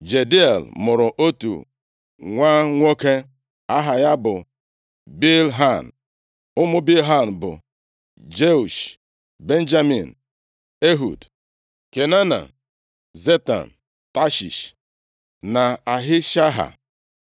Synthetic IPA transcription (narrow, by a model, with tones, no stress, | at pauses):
d͡ʒe˨di˦e˨lmʊ˨ɾʊ˨ʔo˦tṵ˨ | ŋʷa˦ŋʷo˦ke˦ | a˦ɦa˨ja˦bʊ˨ | bi˦lɦa˦˨n˨ | ʊ˦mʊ˦bi˦lɦa˦˨n̩˨bʊ̰˨ | d͡ʒe˦u˨ʃ | be˦n̩˦d͡ʒa˦mḭ˨n | e˦ɦṵ˨d | ke˨na˦na̰˨ | ze˦ta̰˨n | ta˦ʃḭ˨ʃ | na˨a˨ɦɪ˦ʃa˦ɦa̰˨